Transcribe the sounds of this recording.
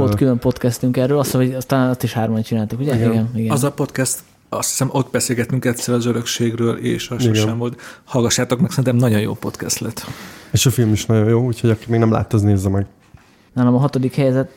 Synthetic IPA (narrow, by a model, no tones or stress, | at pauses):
olkylømpo̞t̪kɛst̪yŋkɛrːøːlɒst̪oɟɒst̪ɔlaɒst̪iʃhaːrmɒnt͡ʃinaːlt̪ukuɟɛɡiɡɛniɡɛɒzɒpo̞t̪kɛst̪ | ɒst̪ʰi̥sɛmo̞t̪̚bɛseːlɡɛt̪yŋkɛt̪sɛɾɛɒzøɾøkʃeːɡrøːlḛːʃɒʃiɡɛʃnɛmvolt̪hɒlɡɒʃːaːt̪o̞kmɛksɛɾint̪ɛmnɒɟo̞jo̰ːpo̞t̪kɛ̰st̪lɛt̪eːʃɒfilmiʃnɒɟo̞joːuːcho̞ɟɒkiːmɛɡnɛmla̰ːt̪ːozneːzːɛmɛɡ | naːlɒmɒɦɒt̪o̞d̪ikhɛjɛzɛt̪